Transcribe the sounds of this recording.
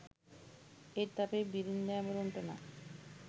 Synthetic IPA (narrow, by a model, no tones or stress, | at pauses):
eɾt̪apebiɾind̪ɛmoɾoɳʈena̰